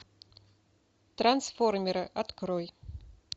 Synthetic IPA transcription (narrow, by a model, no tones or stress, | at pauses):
t̪ransformʲɪɾɨʔat̪kɾoj